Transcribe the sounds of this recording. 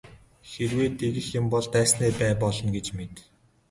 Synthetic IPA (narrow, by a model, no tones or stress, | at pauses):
xerweːt̪eɣɘ̆xjʊ̆mpɔɮt̪æːsneːpæːpɔɮɞ̆nɡet͡ɕmet̪